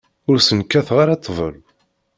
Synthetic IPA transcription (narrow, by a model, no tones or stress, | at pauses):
ʊɾsənkːæθʁaɾat̪ʰˤːvˤə̰lu